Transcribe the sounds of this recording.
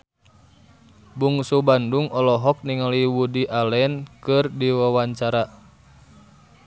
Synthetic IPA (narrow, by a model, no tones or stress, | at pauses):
buŋsubanduŋɔlɔɦɔk̚niŋaliwudiʔalɛnkɨrdiwawaɲt͡ʃaɾa